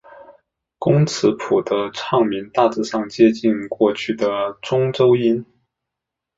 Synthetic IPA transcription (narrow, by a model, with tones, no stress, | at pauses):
kʊ˥ŋt͡sʰɹ̩˧˥pʰu˨˩d̪ə˦ʈ͡ʂʰɑ˥˩ŋmi˧˥nt̪a˥˧t͡sɹ̩˥˧ʂɑ˥˧ŋt͡ɕjɛ˥˧t͡ɕi˥˧nkwɔ˥˧t͡ɕʰy˥˩d̪ə˩ʈ͡ʂʊ˥ŋʈ͡ʂo˥ʊi˥n